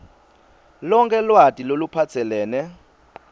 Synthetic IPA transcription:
lɔŋkʰʼɛlwatʼilolupʰat͡sʰɛlɛːnɛ

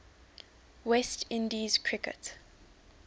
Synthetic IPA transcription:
wɛstʰɪ̃ndiz̥kʰɹ̥ɪkə̰t

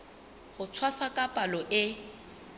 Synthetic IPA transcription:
χʊt͡sʰwasakʼapʼalɔʔɪ

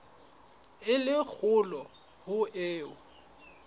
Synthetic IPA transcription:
ɪlɪk͡xʰʊlɔ | hʊʔeːʊ

